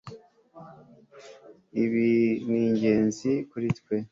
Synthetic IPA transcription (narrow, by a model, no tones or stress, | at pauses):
iβiniːɲɟe̞ːnzikuɾitkwe